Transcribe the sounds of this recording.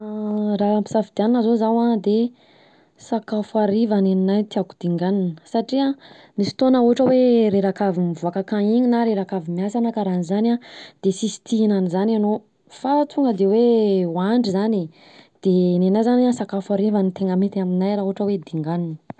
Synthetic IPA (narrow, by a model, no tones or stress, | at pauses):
raampizavid̪ianinəzozawad̪e | sakafaɾivaneninajt̪iaku̥d̪̥iŋɡaninə̥saʈ͡ʂia | nisi̥t̪onauɦaʈ͡ʂəweɾeɾakavimivuakakãiɲinaɾeɾakavimijasanəkaɾanizanad̪̥esisi̥t̪iinanizanano | fat͡suŋɡəd̪ewewaɳɖ͡ʐizani | d̪̥enenajzaniasakafaɾivanit̪eŋəmit̪iaminajɾauaʈ͡ʂəwed̪iŋɡaninə